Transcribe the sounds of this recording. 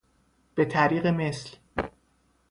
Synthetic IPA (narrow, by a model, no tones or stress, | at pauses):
b̥e̞t̪ʰæɾiːɣeme̞sl